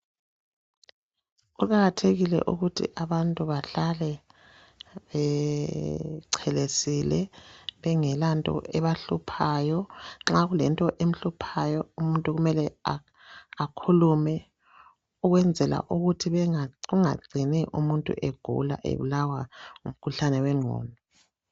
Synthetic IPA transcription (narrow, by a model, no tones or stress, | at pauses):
ukʼaɣatʰeɣilɛ̰ʔuɣutʰḭʔaβantʼuβaɬalɛ | βɛ | ǀʰɛlesilɛ̰βɛŋɛlantʼɔ̰ʔɛβaɬupʰajɔŋ͡ǁaɣulɛntʼɔʔem̩ɬupʰajɔumuntʼuɣumɛlɛa | akʰulumɛ | uɣwɛnd͡zʱɛla̰ʔuɣutʰiβɣuŋa̰ɡ͡ǀʱinɛʔumuntʼṵʔeɡ̥ʱṵla̰ʔḛβṵlawaŋṵm̩kʰuɬanɛwɛŋ͡ǀʱɔ̰ːnɔ